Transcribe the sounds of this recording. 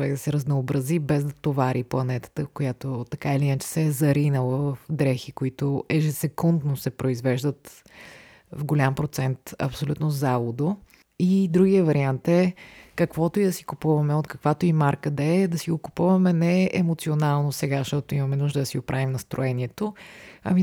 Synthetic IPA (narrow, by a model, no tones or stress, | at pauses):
vɛkd̪ɐsɛɾəznoobɾɐzibɛzd̪ɐt̪ovaɾʔiplˠɐnɛt̪ə̥t̪əkojat̪ot̪ɐkailiinət͡ʃɛ̥sɛɛzɐɾinəvˠəvəfd̪ɾɛxikoit̪oʔɛʒɛsɛkund̪nosɛpɾoizvɛʒd̪ət̪ | vɡolʲampɾot̪sɛnt̪ɐ̰psolʲut̪nozavˠod̪o | id̪ɾuɡiəvɐɾiant̪ɛkɐkvɔt̪oid̪ɐsi̥kʊpuvɐmɛot̪kəkvat̪oimaɾkəd̪ɐɛd̪ɐsiɡokʊ̥puvɐmɛnɛɛʔɛmot̪sionalˠnosɛɡaʃt̪ɔt̪oimɐmɛnuʒd̪əd̪ɐsiɡopɾʔavimnɐst̪ɾoɛniɛt̪oɐ̰mi